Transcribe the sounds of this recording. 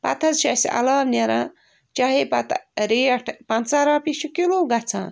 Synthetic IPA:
pɐ̰t̪ʰɐzʃɐsḭʔɐ̰laːbneɾãː | t͡ʃɐɦepɐt̪ɾeːɐʈʰpɐnt͡sɐɾaːpiʃukiloːɡɐt͡sʰã̰ː

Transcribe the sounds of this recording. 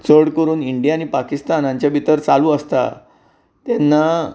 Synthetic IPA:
t͡səɽkəɾuːniɳɖijaːñipakist̪anãɲt͡ɕjabʱit̪əɾt͡salũːəst̪a̰ | t̪ɛnːa

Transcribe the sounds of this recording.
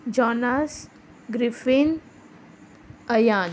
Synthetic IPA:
d͡ʒɔːnas | ɡɾifin | əjaːn

